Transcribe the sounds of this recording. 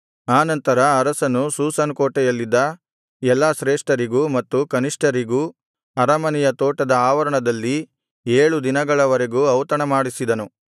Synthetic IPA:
aːnɐnt̪ɐɾɐːɾɐsɐnːusuːsɐnkoːʈɛjɐlːid̪ːɐ | ɛlːaʃɾeːʂʈɐɾiɡuːmɐt̪ːukɐniʂʈɐɾiɡuː | ɐɾɐmɐnɛjɐt̪oːʈɐd̪ɐaːʋɐɾɐɳɐd̪ɐlːi | eːɭud̪inɐɡɐɭɐʋɐɾeɡuɐwt̪ɐɳɐmaːɽisid̪ɐnu

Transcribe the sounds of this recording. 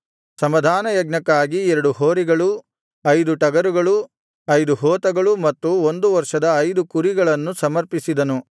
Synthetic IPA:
sɐmɐd̪ʱaːnɐjɐɡnɐkːaːɡiɛɾɐɽuɦoːɾiɡɐɭu | ɐjd̪uʈɐɡɐɾuɡɐɭu | ɐjd̪uɦoːt̪ɐɡɐɭumɐt̪ːuond̪uʋɐɾʂɐd̪ɐːjd̪ukuɾiɡɐɭɐnːusɐmɐɾpisid̪ɐnu

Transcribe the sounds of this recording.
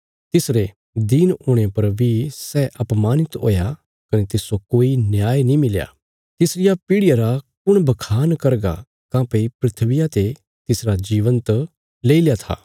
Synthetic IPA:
t̪ɪsɾe | d̪inʊɽ̃epɐɾbisɛʔɐpmaːnɪt̪o̰ːja | kɐnet̪ɪsokoːinjaːjnĩmɪlja̰ː | t̪ɪsɾɪjapɪɽɪjaɾakʊɽ̃bɐkʰaːnkɐɾɡa̰ | kãːpeipɾɪt̪ʰʋɪjat̪e | t̪ɪsɾad͡ʒiːʋə̃nt̪ | leːiljat̪ʰa̰ː

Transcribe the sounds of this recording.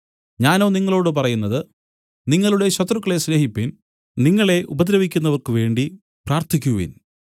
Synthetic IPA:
ɲaːno̞ːniŋːɐɭo̞ːɽɨp̬ɐrɐjunːɐðɨ | niŋːɐɭuɽe̞ɕɐt̪rukːɐɭe̞sleːɦipːin | niŋːɐɭe̞ʔubɐd̪ɾɐʋikʲːunːɐʋɐrkɨʋe̞ːɳɖi | praːrt̪ʰikʲːuʋḭn

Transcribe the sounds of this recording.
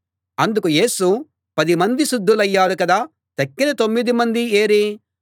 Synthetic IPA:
ɐnd̪ukuje̞ːsu | pɐd̪imɐnd̪iʃud̪ʱːulɐjːaːɾukɐd̪aː | t̪ɐkːinɐt̪o̞mːid̪imɐnd̪ie̞ːɾi

